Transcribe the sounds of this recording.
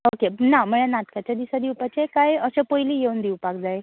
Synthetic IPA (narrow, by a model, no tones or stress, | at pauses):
okenam̤əɭenat̪kat͡ɕjad̪isad̪iwpat͡ɕekajəɕẽpojliːjeund̪iwpakd͡zae